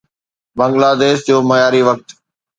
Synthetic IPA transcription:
bə̃ŋɡlaːd̪eːsd͡ʑoːməjaːɾiʋək̚t̪

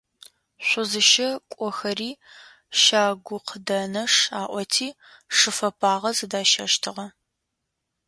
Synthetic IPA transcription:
ɕʷʊzɨʃɐkʷʼɔxɐriː | ʃaːɡʷʊqʰədɐnɐʂaːʔʷɔtʰiː | ʂɨfɐpʰʼaːʁɐzɨdaːʃɐʃtʰɨʁɐ

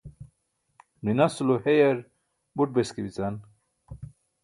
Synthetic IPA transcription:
minɐsulohejeɾ | buʈ̚beskibit͡san

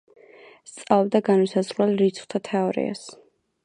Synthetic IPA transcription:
st̪sʼalˠɔbd̪aɡanisazɾwɛlɾit̪sʰχt̪ʰat̪ʰɛɔɾḭa̰s

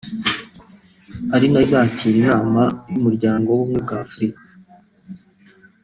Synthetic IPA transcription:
aɾinazaciːɾinaːmajumuɾɟaːŋɡo̞wumŋeb̚ɡaːfuɾikḁ

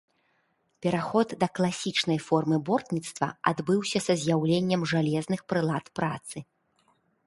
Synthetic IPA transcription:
pʲɛɾaxɔd̪ːɐklˠasʲit͡ʂnɐjfɔrmɨbɔrt̪nʲit̪st̪vɐ̰a̰d̪bɨwsʲɐsɐzʲjawlʲenʲːɐmʐalʲɛznɨxpɾɨlˠat̪pɾat̪sɨ

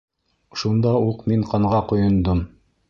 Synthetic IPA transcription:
ʃund̪ɑuqmiɴqɑɴʁɑqŏjŏnd̪om

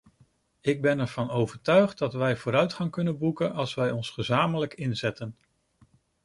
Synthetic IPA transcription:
ɪɡ̚bɛnɛɹv̥ɑnowvəɹtœɥχtdɑtʋɛjvoːɾœɥtχɑŋkɵnənbukənɑlˠsʋɛjɔnsχəzaːmələkɪnzɛtən

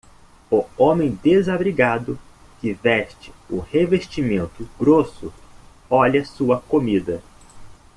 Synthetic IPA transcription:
ʊõmẽj̃d̪ezabɾiɡad̪ʊ | kɪvɛʃt͡ʃɪ̥ʊheveʃt͡ʃimẽnt̪ʊɡɾosʊ | ɔʎɐsuɐkomid̪ɐ

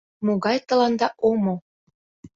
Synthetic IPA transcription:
moɣɑjt̪ɤ̆lɑnd̪ɑʔomo

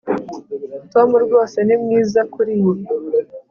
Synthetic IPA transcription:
to̞muɾɡwo̞ːse̞nimŋiːzakuɾiwo

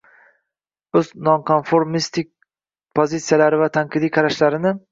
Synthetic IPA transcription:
ɵznɒnkʰonfoɾmist̪ʰik̚ʲ | pʰozit̪sijalaɾɪvat̪ʰaŋqʰɨd̪ikʰɑɾaʃlaɾɪnɪ

